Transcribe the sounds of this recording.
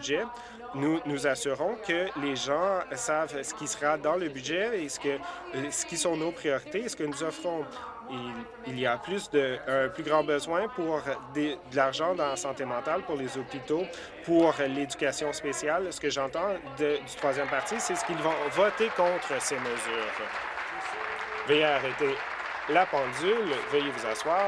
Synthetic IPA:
bʒɛ | nunuzasyʁɔ̃kəleʒɑ̃savsə̥kʲisəʁad̪ɑ̃ləbyʒɛesə̥kə | sə̥kʲisɔ̃nopχijɔʁit̪esə̥kənuzɔfʁɔ̃ | i | iliaplysd̪əə̃plyɡʁɑ̃bəzwɛ̃puʁd̪əd̪əlaʁʒɑ̃d̪ɑ̃sɑ̃t̪emɑ̃t̪alpuʁlezɔpit̪o | puʁled͡zykʲasjɔ̃spesjalsə̥kəʒɑ̃t̪ɑ̃d̪əd̪yt̪χwazjɛmpaʁt̪sisɛsə̥kʲilvɔ̃vɔt̪ekɔ̃t̪χəseməzyːʁ | vɛjeːʁɛt̪e | lapɑ̃d͡zylvɛjevuzãswaː

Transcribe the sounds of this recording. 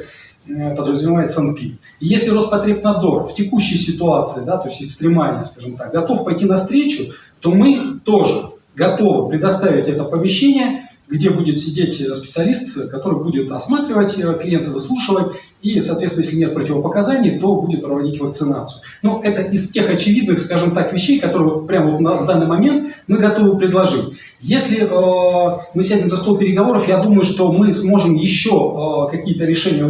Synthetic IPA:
pəd̪ɾəzmʲɪvaɪt̪sɐn̚pʲit̪ | jesʲlʲɪɾost̪̚pɐt̪ɾʲepnɐd̪zo̞rftʲɪkuɕːɪjəsʲɪt̪ʊat̪sɨɪd̪at̪o̞ɪsʲtʲɪkst̪ɾʲɪmalʲnəjəskaʐɨmt̪ak̚ɡɐt̪o̞fpɐjtʲinɐfst̪ɾʲet͡ɕʊ | t̪o̞mɨt̪o̞ʐɨ | ɡɐt̪o̞vɨpɾʲɪd̪ɐst̪avʲɪtʲɛt̪əpəmʲɪɕːenʲɪjə | ɡdʲe̞budʲɪt̪sʲɪdʲetʲəspʲɪ̥t̪sɨɐlʲist̪kɐt̪o̞ɾɨjbudʲɪt̪ɐsmat̪ɾʲɪvətʲəklʲɪjent̪ɨvɨslˠuʂɨvətʲ | isɐːt̪vʲet̪snjeslʲɪnʲet̪̚pɾətʲɪvəpəkɐzanʲɪjt̪o̞budʲɪt̪̚pɾəvɐdʲitʲvək̚t̪sɨna̰t̪sɨjʊ | noʔɛt̪əʔɪstʲe̞xɐt͡ɕɪvʲid̪nɨxskaʐɨmt̪akvʲɪɕːejkɐt̪o̞ɾɨj̪pɾʲamvot̪nɐvd̪anːɨjmɐmʲe̞nt̪mɨɡɐt̪o̞vɨpɾʲɪd̪lˠɐʐɨtʲ | jesʲlʲɪʔəmɨsʲædʲɪmzɐst̪opʲɪɾʲɪɡɐvo̞ɾəfjad̪uməjʊʂt̪o̞mɨsmo̞ʐɨmjɪɕːokɐkʲijət̪əɾʲɪʂɛnʲɪjə

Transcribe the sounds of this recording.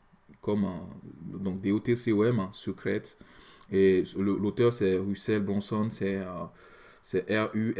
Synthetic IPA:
kɔm̰ | d̪ɔ̃k̚d̪eot̪eseoɛmɛ̃səkχɛt̪eləlot̪œʁsɛʁysɛlbʁɑ̃sɔnsɛø | sɛʔɛʁy

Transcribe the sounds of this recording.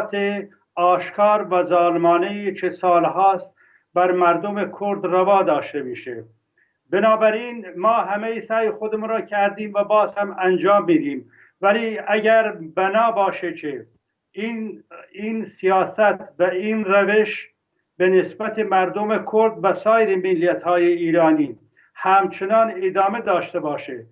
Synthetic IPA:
t̪ʰe | ɑːʃkʰɑːɾvæzɑːlmɑːnejit͡ʃʰesɑːlhɑːst̪ | bæɾmæɾd̪omekʰoɾd̪rævɑːd̪ɑːʃt̪e̞miːʃḛ | benɑːbæɾiːnmɑːɦæmejisæːjexod̪emunɾɑːcʰæɾd̪iːmvæbɑːzhæmænd͡ʒɑːmːiːd̪iːm | væliːæɟæɾbænɑːbɒːʃecʰe | iniːnsijɑːsæt̪ʰvæiːnræve̞ʃ | benesbæt̪ʰemæɾd̪omekʰoɾd̪væsɑːjeɾemilːijæt̪hɑːjeiːɾɑːniː | hæmt͡ʃʰenɑːned̪ɑːme̞d̪ɒːʃt̪ebɑːʃe

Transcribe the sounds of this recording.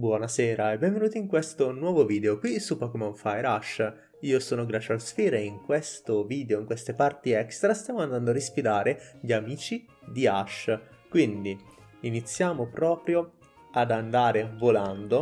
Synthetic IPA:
bwɔnasɛːɾaɛbːɛɱvenuːt̪iiŋkwest̪onwɔːvoviːd̪eokwisupːɔkomaɱfajɾaʃ | iːosoːnoɡɾat͡ʃalsfiːɾeiŋkwest̪oviːd̪eoiŋkwest̪epart̪iɛkst̪ɾast̪jaːmoand̪and̪oaɾispid̪aːɾeʎiamiːt͡ʃi | d̪iaʃkwind̪i | init̪sːjaːmopɾɔːpɾjo | ad̪and̪aːɾevoland̪o

